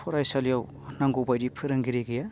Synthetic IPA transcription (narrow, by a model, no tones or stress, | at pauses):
pʰɔɾajsaljaw | naŋɡobajɾipʰɯɾɯŋɡiɾeɡija